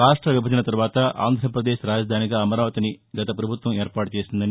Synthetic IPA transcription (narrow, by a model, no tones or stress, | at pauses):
ɾaːʂʈɾɐʋjibɐd̪ɐnɐt̪ɐɾʋaːt̪ɐʔa̰ːnd̪ʱɾɐpɾɐd̪eːʃɾaːd͡ʒɐd̪ʱaːniɡaːɐmɐɾaːʋɐt̪iniɡɐt̪ɐpɾɐbʱut̪ʋɐmeːɾpaːʈut͡ʃeːsind̪ɐni